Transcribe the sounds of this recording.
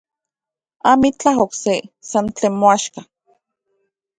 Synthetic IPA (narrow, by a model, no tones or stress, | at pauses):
amit͡ɬaɦoksesant͡ɬeːnmoaʃka